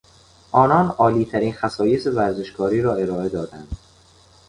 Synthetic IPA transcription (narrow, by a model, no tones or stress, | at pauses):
ʔɒːnɒːnɒːliːt̪ʰæɾiːnxæsɒːje̞se̞væɾze̞ʃkʰɒːɾiːɾɒːe̞ɾɒːe̞d̪ɒːd̪ænd̪̥